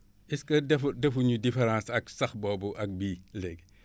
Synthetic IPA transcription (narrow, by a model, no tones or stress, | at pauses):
ʔiskɐdɛfudɛfuɲudifeɾãːsɐksɐxbɔːbuʔɐk̚biːlɛɡ